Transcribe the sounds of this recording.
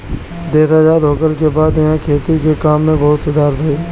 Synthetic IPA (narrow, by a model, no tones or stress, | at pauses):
d̪eːsaːd͡ʒaːd̪ɦoːkəlkebaːd̪ɪɦãkʰeːt̪ikekaːmːẽbɐɦʊt̪sʊd̪ʱaːɾbʱaiː